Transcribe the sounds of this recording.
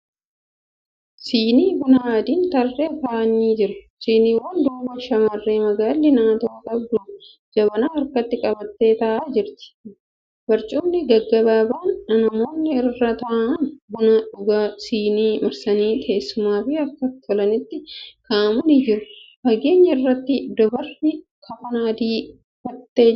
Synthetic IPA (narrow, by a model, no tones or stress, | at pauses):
siːniːbʊnaːd̪iːnt̪ɐrːeːkaʔniːd͡ʒɪɾɐsiːniːwɐnd̪uːbɐʃɐmɐrːeːmɐɡaːlːɪnaːt̪oːk̪ʼɐbɡʊlːʊ | d͡ʒɐbɐnaːɐɾkɐt̪ːɪkʼɐbɐt̪ːe̞ːt̪ɐʔaːd͡ʒɪɾt̪ɪ̥ | bɐɾt͡ʃʼuːmnɪɡɐɡːɐbaːbaːnːɐnɐmo̞ːnːɪɪrːɐt̪ɐʔanbʊnɐᶑʊɡaːsiːniːmɐɾsɐniːt̪ʰɐeːsːʊmaːfɪɐkːɐt̪ɔlɐnɪt̪ːɪkʰaːmɐnid͡ʒɪɾfɐɡeːɲːɐɪrːɐt̪ːɪd̪ɔbɐɾnɪ | kʰɐfɐnaːd̪iː | fɐt̪ːeː